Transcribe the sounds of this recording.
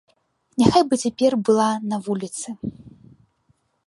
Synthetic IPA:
nʲaxajbɨt͡sʲapʲɛrbɨlˠanɐvulʲit̪sɨ

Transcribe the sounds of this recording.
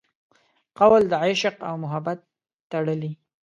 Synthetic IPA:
qawald̪əajʃɪqawmʊɦabat̪ː | aɽəli

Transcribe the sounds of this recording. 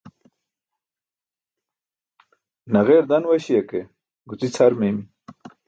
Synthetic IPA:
nɐɣeːɾd̪ɐnwɐɕijɐke | ɡut͡sit͡sʰaɾmemi

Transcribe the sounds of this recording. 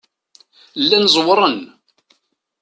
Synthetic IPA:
lːænzˤwəɾˤən

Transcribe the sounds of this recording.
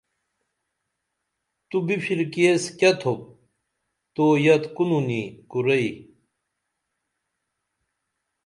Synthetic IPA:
t̪ubipʰiɾkeskɐt̪ʰop̚ | t̪oːjɐt̪kununikuɾɐi

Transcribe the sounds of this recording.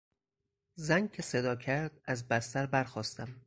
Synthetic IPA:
zæŋcʰe̞sed̪ɒːcʰæɾd̪æzbæst̪æɾbæɾxɒːst̪æm

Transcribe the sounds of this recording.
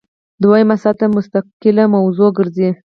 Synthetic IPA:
d̪wajəmasat̪amʊst̪aqɪlamawzoɡəɾzi

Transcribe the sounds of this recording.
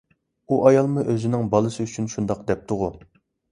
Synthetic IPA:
uʔɑjɑlˠmuʔøzɪnɪŋbɑlˠɨsɨyt͡ʃʰynʃund̪ɑq̚d̪ɛp̚t̪ʰʊʁʊ

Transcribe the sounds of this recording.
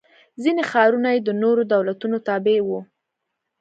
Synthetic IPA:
zinexɑɾunajed̪ənoɾod̪awlat̪unot̪ɑbewu

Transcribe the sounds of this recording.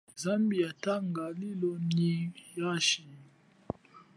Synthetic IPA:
zambijataŋɡalilɔnijaʃi

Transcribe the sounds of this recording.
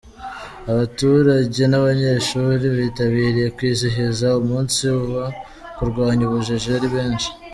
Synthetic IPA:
aβatuɾaɟe̞naβaɲe̞ʃuːɾiβitaβiːɾije̞kwiːziɦezaumuːnsiβuβa | kuɾɡwaːɲuβuʒeʒeɾiβe̞ːnʃi̥

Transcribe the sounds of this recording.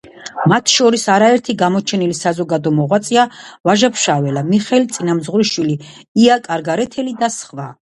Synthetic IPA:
mat̪ʰʃɔɾisaɾaɛɾt̪ʰiɡamɔt͡ʃʰɛnilisazɔɡad̪ɔmɔʁwat̪sʼiavaʒapʰʃavɛlamiχɛlit̪sʼinamzʁɾiʃwiliiakʼaɾɡaɾɛt̪ʰɛlid̪asχva

